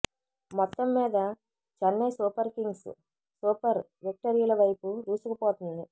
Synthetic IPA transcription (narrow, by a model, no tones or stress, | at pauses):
mɔt̪ːɐmːiːd̪ɐ | t͡ʃɐnːɐjsuːpɐɾkiŋɡs | suːpɐɾ | ʋik̚ʈɐɾijulɐʋɐjpud̪uːsukɐpoːt̪und̪i